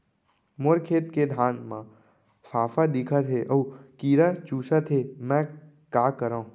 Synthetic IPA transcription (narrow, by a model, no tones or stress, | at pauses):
moɾkʰeːt̪ked̪ʱaːnmã | saːfʰad̪ikʰat̪ɦeʔəukiːɾat͡ʃuːsat̪ʰɦemɛ̃ | kaːkəɾaũ